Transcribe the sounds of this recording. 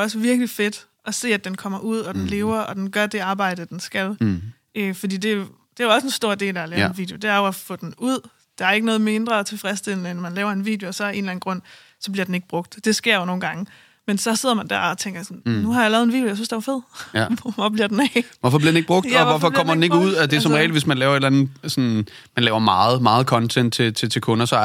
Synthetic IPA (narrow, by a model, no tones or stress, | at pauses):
ɒ̽səʋiɐɡ̥life̝d̥ | ʔɒ̽se̝̰ːæd̥enkʰɒ̽m̰ɐʔuð̞̰ˠɒ̽d̥enle̝ːʊɐɒ̽d̥enɡ̥ɶɐd̥e̝ɑ̈ːb̥ɑ̈ɪ̰d̥əd̥ensɡ̥æl | ʔøfɒ̽d̥ḭːd̥e̝ | d̥e̝æjoɒ̽səe̝nsd̥o̝ɐ̰d̥e̝̰ːlælɛːʊenʋḭːd̥jo̝d̥e̝æɐjoæfɔ̽ːd̥enuð̰ˠ | d̥ɑ̈æɐe̝ɡ̥ənɔ̽ːð̞̩ˠme̝nd̥ʁɐt͡sʰe̝fʁɛsd̥eln̩enmænlɛːʊɐe̝nʋḭːd̥josɒ̽e̝ːnlæn̩ɡ̥ʁɔ̽n̰ | sɒ̽b̥liɐd̥ene̝ɡ̥əb̥ʁɔ̽ɡ̥̚d̥d̥e̝sɡ̥e̝ɐ̰jono̝ːn̩ɡ̥ɑ̈ŋə | mensɒ̽se̝ð̞̰ˠɐmænd̥æɐɒt͡sʰeŋ̰ɡɐjsɔ̽nnuhɑ̈jalɛːʊð̩ˠenʋḭdjojasynsd̥eʋɑ̈fe̝ð̞̰ˠɔɒb̥liɐd̥enɛʋɒfɒ̽b̥liɐd̥eneɡ̥̚b̥ʁɔ̽ɡ̥ɒʋɒfɒ̽ɒ̽m̰ɐd̥ene̝ɡ̥uð̞̰ˠæsd̥eæsɒ̽mʁɛːləʋe̝smænlɛːʊɐe̝d̥lænð̩ˠsɒ̽n | mænlɛːʊɐmɑ̈ːð̩ˠmɑ̈ːð̞̩ˠkʰɒ̽nt͡sʰen̰d̥̚t͡sʰe̝t͡sʰe̝t͡sʰe̝lkʰɔ̽nɐsɒ̽